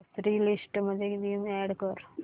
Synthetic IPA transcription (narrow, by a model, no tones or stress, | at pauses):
sʰɾiːlisʈməd̪ʱːjed̪iːmɛɽkəɾ